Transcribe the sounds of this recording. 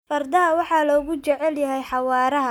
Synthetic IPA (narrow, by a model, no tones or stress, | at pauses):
fɐrd̪ɐɦɐwɑħɑːlɔːɣʊt͡ʃɛʕɛljɐɦɛjħɑwɑːɾɐɦɐ